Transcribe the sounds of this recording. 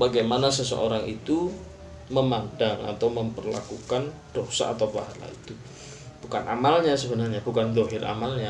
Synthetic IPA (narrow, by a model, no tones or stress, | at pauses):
baɡajmanas̬əsə̰ʔo̰ɾaŋit̪u | məmandaŋa̰t̪awməmpərla̰kukand̥osa̰ːt̪awpaɦala̰it̪u | b̥ukanʔa̰malɲasəbənarɲab̥ukand̪oɦɪra̰malɲa